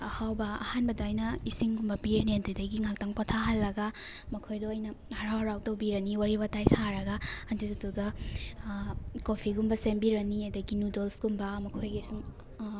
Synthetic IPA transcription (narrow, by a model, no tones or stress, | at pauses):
ɐhawbɐɐ̰hanbɐdaːjnɐisiŋɡumbɐpiɾnentɾidɐɡiŋak̚taŋpatʰaɦalːɐɡamɐkʰojdɔɐjnɐhɐɾawhɐɾaw̚tɐwbiɾɐniwaɾibɐtajsaɾɐɡɐɐndudutuɡɐ | kopʰiɡumbɐsembiɾɐniɐdɐɡinudolsɡumbɐmɐkʰojɡisum